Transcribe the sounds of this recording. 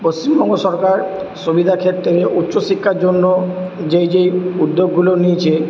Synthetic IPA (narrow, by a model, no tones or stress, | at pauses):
post͡ɕimbɔŋɡoʃɔɾkaɾ | subid̪ʱakʰet̪ːeɾeʔutːʃoʃikʰːaɾd͡ʑonːod͡ʑejd͡ʑejud̪ːoɡːuloniet͡ɕʰe